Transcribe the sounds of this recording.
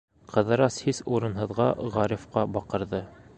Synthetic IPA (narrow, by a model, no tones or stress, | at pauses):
qɤ̆ðɤ̆ɾɑshisuɾɤ̆nɦɤ̆ðʁɑ̰ʁɑɾʲifqɑbɑqɤ̆ɾðɤ